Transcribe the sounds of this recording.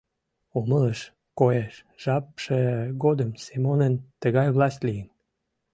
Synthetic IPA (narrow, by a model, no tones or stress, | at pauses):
omələʃ | kojeʃʒ̥ɑpʃeɣod̪əmsemonənt̪əɣɑjβlɑst̪ʲlijən